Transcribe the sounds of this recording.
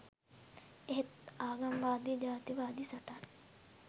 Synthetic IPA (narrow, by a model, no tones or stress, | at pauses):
eɦet̪aːɡamʋaːd̪ijd͡ʒaːt̪iʋaːd̪isaʈan